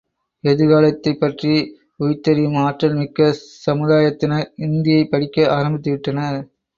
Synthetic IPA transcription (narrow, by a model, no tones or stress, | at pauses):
ɛðɯɣaːlɐt̪ːɐɪpːɐʈri | ʊjt̪ːɐɾimaːʈrɐlmɪkːɐsɐmɯðaːjɐt̪ːɪnɐɪnd̪ɪjɐɪpːɐɽɪkːɐaːɾɐmbɪt̪ːɯʋɪʈːɐnɐɾ